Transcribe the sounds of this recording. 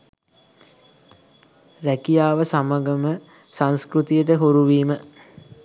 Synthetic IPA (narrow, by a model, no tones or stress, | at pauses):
ɾækijaːʋəsaməɡəmə | sãŋskɾut̪ijəʈəɦuɾuʋiːmə